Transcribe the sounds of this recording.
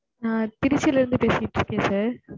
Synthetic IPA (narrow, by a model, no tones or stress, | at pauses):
naːt̪ɪɾɪt͡ʃːɪlɪɾɯnd̪ɯpeːsɪjɪʈːɾɯkːẽːsaːɾ